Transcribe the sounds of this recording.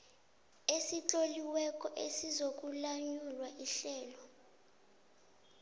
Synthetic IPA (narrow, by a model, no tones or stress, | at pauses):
esit͡ɬʼoliwɛk̬ʼɔʔesizok̬ʼulaɲulwaʔiɬɛːlɔ